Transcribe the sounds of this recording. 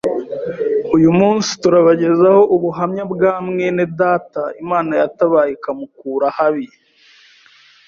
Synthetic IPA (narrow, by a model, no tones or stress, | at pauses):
ujumuːnsi̥tuɾaβaɟe̞zaho̞ʔuβuɦamɲabɡaːmŋe̞nedaːtaimaːnajataβaːjekamukuːɾahaβi